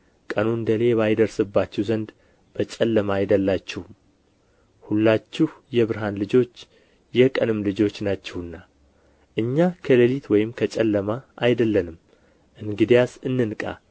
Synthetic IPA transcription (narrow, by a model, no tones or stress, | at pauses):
kʼənund̪əle̞βajd̪əɾsɨbːat͡ʃːɛwzənd̪ | b̥ət͡ʃʼɛlːəmaːjd̪əlːat͡ʃːɛhm | hulːat͡ʃːɪhjɛβɨɾɦanlɨd͡ʒo̞t͡ʃː | jɛkʼənɨmlɨd͡ʒo̞t͡ʃːnat͡ʃːɛhɨnːa | ʔɨɲːakʰələlit̪wɔjɪmkʰət͡ʃʼɛlːəmaʔajd̪əlːənɨm | ʔɨŋɡɨd̪ijasɨnːɨnkʼa̰